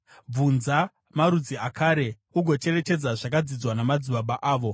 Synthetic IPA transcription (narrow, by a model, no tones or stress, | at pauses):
b͡vunza | maɾud͡ziakʰaːɾe̞ | uɡʱo̞t͡ʃe̞re̞t͡ʃe̞d͡zaʐakad͡zid͡zwanamad͡ziɓaɓaʔaːʋo̞